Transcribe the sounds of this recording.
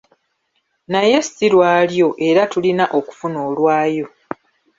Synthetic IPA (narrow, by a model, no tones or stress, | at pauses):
naje̞siɾwaːljo̞ʔe̞ɾatulinaʔo̞ku̥funo̞ːlwaːjo̞